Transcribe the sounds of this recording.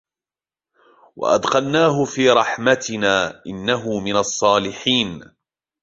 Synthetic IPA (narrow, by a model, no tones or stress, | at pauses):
wa̰ʔɑ̰d̪qɑlnaːɦʊfiːɾˤɑħmat̪ɪnaːʔɪnːaɦʊmɪnɑsˤːɑːlɪħiːn